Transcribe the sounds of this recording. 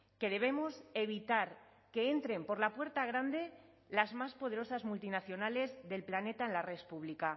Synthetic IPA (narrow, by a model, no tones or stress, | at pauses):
ke̞ð̞e̞β̞e̞mose̞β̞it̪aɾ | ke̞e̞nt̪ɾe̞mpo̞ɾlapwe̞ɾt̪aɣ̞ɾand̪e̞ | lazmaspo̞ð̞e̞ɾo̞sazmult̪inaθjo̞nale̞zðe̞lplane̞t̪aenlarespuβ̞lika